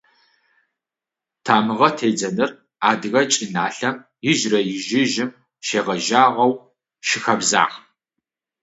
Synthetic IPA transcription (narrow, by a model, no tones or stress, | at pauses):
tʰaːmɨʁɐtʰeːd͡zɐnɨr | aːdɨɣɐt͡ʃʼɪnaːɬɐm | jɪʒrɐjɪʒɪʒɪm | ʃeːʁɐʒaːʁɐw | ʃɪxɐbza̰ːʁ